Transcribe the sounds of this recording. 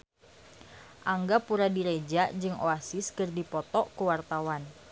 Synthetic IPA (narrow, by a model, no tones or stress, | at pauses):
ʔaŋɡapuɾadiɾed͡ʒad͡ʒɨŋo̰asɪskɨrdipɔt̪ɔkuwart̪awan